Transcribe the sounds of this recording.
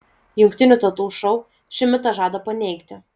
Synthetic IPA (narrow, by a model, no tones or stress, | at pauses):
jʊŋkt̪ʲɪnʲuˑt̪ɐʊt̪uːʃɔʊ | ʃʲɪmʲɪt̪ɐʒɑːd̪ɐpɐnʲɛɪkt̪ʲɪ